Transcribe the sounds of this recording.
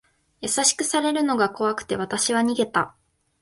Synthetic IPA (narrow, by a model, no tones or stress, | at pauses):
jasaɕi̥kɯ̟saɾe̞ɾɯ̟no̞ɡako̞βakɯ̟̥t̪e̞β̞at̪aɕiβaɲ̟iɡe̞t̪a